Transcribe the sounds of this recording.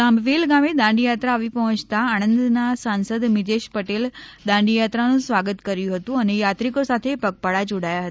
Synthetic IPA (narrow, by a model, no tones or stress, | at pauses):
ãmbʋelɡamed̪ãɳɖijat̪ɾaːʋipɐɦə̃t͡ʃt̪aaːñə̃nd̪nasãnsəd̪mɪd͡ʒ̪eʃpəʈeld̪ãɳɖijat̪ɾanũsʋaɡət̪kəɾjũɦət̪ũɐnejat̪ɾikosat̪ʰepɐk̚paɽad͡ʒoɽajaɦət̪a